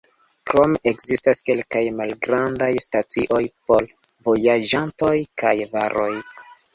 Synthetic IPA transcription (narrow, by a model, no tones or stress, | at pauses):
kɾo̞meʔekz̥istaske̞lkajmalɡɾandajstat͡siʔo̞jpo̞lvo̞jad͡ʒanto̞jkajvaɾo̞j